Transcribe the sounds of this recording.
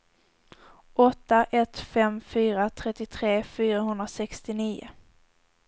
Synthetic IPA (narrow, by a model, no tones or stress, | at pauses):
ʔɔt̪ːaʔɛt̪fɛmfyːɾat̪ʰɾɛt̪ːɪt̪ʰɾeːfyːɾaɦɵnd̪ɾasɛkst̪ɪniːʊ̰